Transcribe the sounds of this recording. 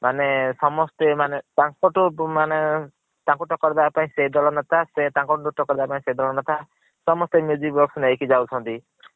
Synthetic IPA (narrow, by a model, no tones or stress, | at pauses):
manesɔmɔst̪emanet̪aŋkɔʈumane | t̪ãŋkuʈɔkɔɾid̪apaĩseid̪ɔlɔnat̪ʰasẽt̪ãŋkɔʈuʈuʈɔkɔɾid̪apaĩsejd̪ɔlɔnat̪ʰa | sɔmɔst̪emjud͡ʒibbɔksneikid͡ʒawt͡ʃʰɔnt̪i